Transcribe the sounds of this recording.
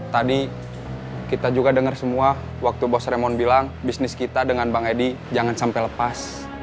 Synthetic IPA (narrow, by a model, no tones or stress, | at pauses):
t̪adi | kit̪ad͡ʒuɡadəŋərsəmua | wak̚t̪ubɔsremɔnbilaŋbisnɪskit̪adəŋanbaŋedi | d͡ʒaŋansampɛjləpas